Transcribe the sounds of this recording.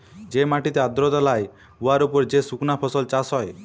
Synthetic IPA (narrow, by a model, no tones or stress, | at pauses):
d͡ʒemaʈit̪ead̪ɾɔd̪alaj | uaɾupɔɾd͡ʒesuknapʰɔsɔlt͡ʃasɦɔe